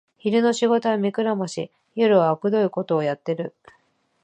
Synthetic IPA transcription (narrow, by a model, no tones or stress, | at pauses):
çiɾɯ̟no̞ɕiɡo̞t̪o̞βamʲikɯ̟ɾamoɕḭ | jo̞ɾɯ̟βaokɯ̟d̪o̞iko̞t̪o̞ːjat̪ːe̞ɾɯ̟